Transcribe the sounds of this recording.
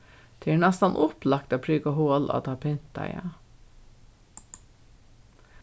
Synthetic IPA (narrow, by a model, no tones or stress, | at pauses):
t̪ʰɪɳæst̪ɑnʔʊplɑkt̪ɑːpʰɾyːɡɑhoːlɑ̰ːd̪ɑːpʰɪnt̪ɑ̰ɪɑ̰